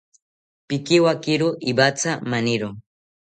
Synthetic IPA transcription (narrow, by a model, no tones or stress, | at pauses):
pɪkiwakɪɾʊʔibat͡samanɪɾʊ